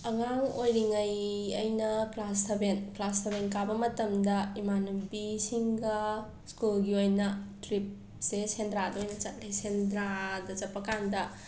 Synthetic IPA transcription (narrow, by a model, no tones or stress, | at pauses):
ɐŋaŋojɾiŋɐjɐjnɐklastʰɐbenklastʰɐbenkabɐmɐtɐmdɐimanɐbisiŋɡɐ | skulɡiojnɐtɾip̚ | sesendɾadɐojnɐt͡ʃɐt̚lesendɾadɐt͡ʃɐpːɐkandɐ